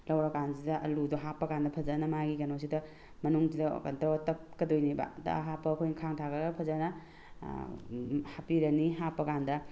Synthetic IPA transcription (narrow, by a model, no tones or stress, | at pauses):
lɐwɾɐkanzidɐʔɐ̰ludɔɦapːɐkandɐpʰɐzanɐmaɡikɐnosidɐ | mɐnuŋsidɐ̰kɐ̰ntɾɔɔtɐpkɐdojniba̰dɐ̰ɦapːɐkʰojnkʰaŋtʰakɐɡɐpʰɐzanɐ | hapiɾɐniɦapːɐkandɐ